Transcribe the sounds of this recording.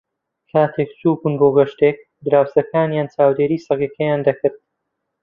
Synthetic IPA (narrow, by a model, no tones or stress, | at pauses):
kʰaːt̪ʰek̚suːbunboːɡɐʃt̪ek̚ | d̪ɨɾaːwsɐkaːnjaːnt͡ʃaːwd̪eːɾiːsɐɣjɐkʰɐjaːnd̪ɐkɨɾd̪̚